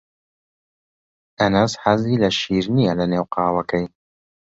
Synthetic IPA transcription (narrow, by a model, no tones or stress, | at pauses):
ʔɐnɐsħɐziːlɐʃiːɾnijɛlɐneːwqɑːwɐkɛj